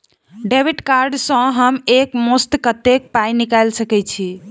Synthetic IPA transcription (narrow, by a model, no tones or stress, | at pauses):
ɖebiʈkaɾɖsə̃ɦəmekmost̪kət̪ek̚pajnikajlsəkɛt͡ʃʰi